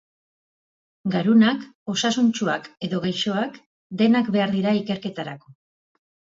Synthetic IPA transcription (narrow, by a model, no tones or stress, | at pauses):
ɡaɾunako̞sasunt͡ʃua̰ke̞ðo̞ɣ̞ajʃo̞ak | d̪e̞nakbe̞aɾðiɾaike̞ɾke̞t̪aɾako̞